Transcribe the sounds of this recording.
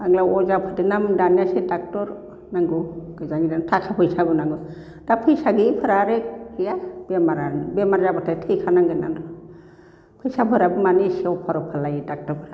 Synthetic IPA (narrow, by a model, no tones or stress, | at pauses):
aɡlaɔzapʰɯdinamdanjasidak̚tɔɾ | naŋɡuɡ̥ɯzaŋɡidantʰakʰapʰɯjsabɯnaŋɡu | d̥apʰɯjsaɡipʰɯɾaɾeɯjab̥ɛmaɾabɛmaɾzabatʰatʰɯjkʰanaŋɡɯna̰ndɔ | pʰɯjsapʰɯɾabɯmanisiɔwpʰaɾɔpʰalajdak̚tɔɾpʰɯɾa